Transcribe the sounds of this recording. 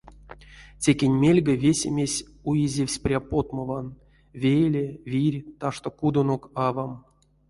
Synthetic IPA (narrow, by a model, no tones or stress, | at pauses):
tʲekʲenʲmʲelʲɡəvʲesʲemʲesʲ | ujizʲewʲsʲprʲapo̞t̪məvan | vʲejlʲevʲirʲt̪aʂt̪okud̪onokɑvam